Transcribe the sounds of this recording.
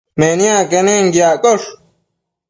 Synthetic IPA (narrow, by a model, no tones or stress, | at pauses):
menijãːkeneŋɡjaːkʼoʂ